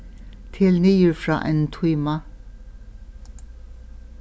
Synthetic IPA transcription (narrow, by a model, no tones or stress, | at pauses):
t̪ʰɪlniːʉɹfɹɑ̰ːʔɛ̰nt̪ʰiːma